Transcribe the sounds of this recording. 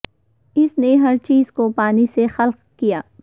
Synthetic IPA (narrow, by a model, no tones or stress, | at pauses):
ɪsneɦɐɾt͡ʃiːzkopaːnisexɐlq | kijaː